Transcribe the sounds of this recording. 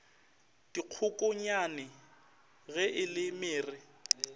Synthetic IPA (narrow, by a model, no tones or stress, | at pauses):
d̥iq͡χʰʊkʼʊɲanɪ | ɣɛʔɪlɪmɪːrɪ